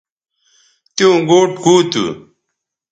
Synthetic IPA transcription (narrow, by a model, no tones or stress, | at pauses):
t̪jũːɡoːʈɡuːt̪ṵ